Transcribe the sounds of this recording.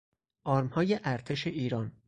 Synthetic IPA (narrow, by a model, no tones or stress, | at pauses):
ʔɒːɾmhɒːjeʔæɾt̪ʰe̞ʃeʔiːɾɒːn